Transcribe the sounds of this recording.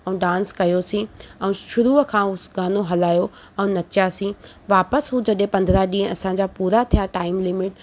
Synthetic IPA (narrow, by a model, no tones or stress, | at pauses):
ɛ̃ɖãːnskɐjosĩːɛ̃ʃʊɾuːkʰãːʊɡaːnoɦɐlaːjo | ɛ̃nɐt͡ɕjasĩː | ʋaːpəsɦud͡ʑɐɗɦẽpɐ̃nd̪ɾaɗĩːə̃ɐsãːɲd͡ʑaːpuːɾat̪ʰijaʈaːɪmlɪmɪʈ̚